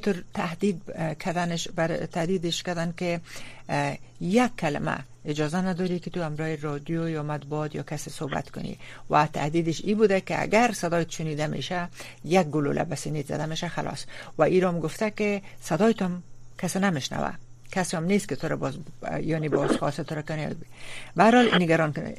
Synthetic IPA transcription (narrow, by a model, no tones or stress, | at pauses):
t̪ʊɾt̪ahd̪id̪̚kʰad̪anɪʃbaɾ̰t̪ahd̪id̪ɪʃkad̪ankɪ | jakʰːalɪ̰ma̰ | ɪd͡ʒɒzanad̪ɔɾikɪt̪uamɾɔhɪɾɔd̪jojɒmat̪̚buɔt̪jɒ̰kasɪsoba̰t̪kʊnḭwat̪ʰa̰hd̪id̪ɪʃibud̪akɪa̰ɡaɾsad̪ɒjt̪ʃʊnid̪amḛʃa | jak̚ɡʊlo̰lʔa̰basinet̪za̰d̪ameʃaxa̰lʔɒ̰swaʔiɾɔmɡʊft̪akɪsad̪ɔjt̪ɔmkasenamɪʃna̰wa̰kaseɔmnest̪̚kɪt̪ʊɾabɔzjɔnebɔzxɔsɪt̪ʊɾakʊnḛbahaɾhɔlḭnɪɡaɾɔnk